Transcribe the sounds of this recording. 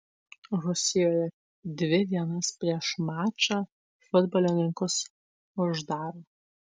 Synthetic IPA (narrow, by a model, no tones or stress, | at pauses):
ɾʊsʲɪjoːjɛ | d̪ʲʋʲɪd̪ʲiɛnɐspʲɾʲiɛʃmɑːt͡ʃɑ | fʊd̪bɔlʲoːnʲɪŋkʊs | ʊʒd̪ɑːɾoː